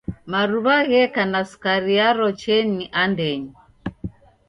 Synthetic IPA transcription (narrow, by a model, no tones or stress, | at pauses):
maɾuβaɣɛkanasu̥kaɾiaɾɔt͡ʃɛniʔandɛɲi